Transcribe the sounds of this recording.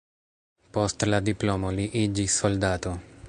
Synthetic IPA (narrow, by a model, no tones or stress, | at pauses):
postlad̪iplomoliʔid͡ʒisːoldat̪o̞